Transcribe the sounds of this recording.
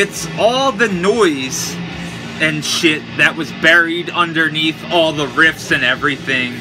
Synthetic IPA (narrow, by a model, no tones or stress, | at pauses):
ɨtsɔlˠðɨnɔɪz | ɨ̃nʃɪt̪̚ðɨʔ̚wʌzbɛɹiɾʌ̃ndə˞niθɔlˠðəɹɪfsɨ̃nɛvɹiθɪ̃ŋ